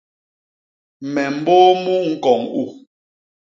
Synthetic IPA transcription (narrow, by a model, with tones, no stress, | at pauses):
mɛ˨m̩˨˦boː˦mu˦ŋ̩˦kɔ˨ŋu˦˨